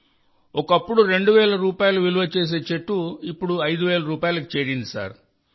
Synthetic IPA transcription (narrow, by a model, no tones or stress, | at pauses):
ɔkɐpːuɽuɾe̞ɳɖuʋɛːlɐɾuːpaːjɐluʋiluʋɐt͡ʃe̞ːs̬e̞ːt͡ʃeʈːuipːuɽuɐjd̪uʋɛːlɐɾuːpaːjɐlɐk̬i̥t͡ʃeːɾind̪isa̰ːɾ